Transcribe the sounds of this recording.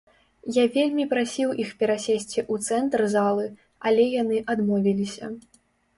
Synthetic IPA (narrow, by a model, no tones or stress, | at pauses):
javʲelʲmʲipɾasʲiwixpʲɛɾasʲesʲt͡sʲiʔut̪sɛnt̪rzalˠɨ | alʲɛjanɨʔad̪mɔvʲilʲisʲɐ̰